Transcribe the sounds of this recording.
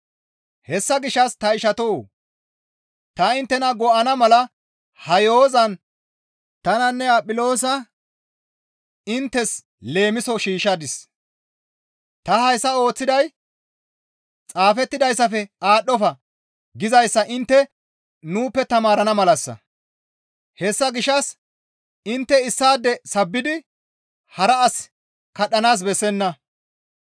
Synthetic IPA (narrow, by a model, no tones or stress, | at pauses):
hɛsːɐɡɪʃːɐst̪ɐɪʃɐt̪oː | t̪ɐɪnt̪ːɛnɐɡɔʔɐnɐmɐlɐ | hɐjo̞ːzɐn | t̪ɐnɐnːɛɐpʼɪlo̞ːs̬ɐ | ɪnt̪ːɛs | le̞ːmɪsɔʃiːʃɐd̪ɪs | t̪ɐhɐjsːɐo̞ːt͡sːɪd̪ɐj | t͡sʼaːfɛt̪ːɪd̪ɐjsːɐfɛaːɗɔfɐ | ɡɪzɐjsːɐʔɪnt̪ːɛ | nuːpːɛt̪ɐmaːɾɐnɐmɐlɐsːɐ̰ | hɛsːɐɡɪʃːɐs | ɪnt̪ːɛɪsːaːd̪ːɛsɐbːɪd̪ɪ | hɐɾɐːs | kɐɗɐnaːs̬bɛsːɛnːɐ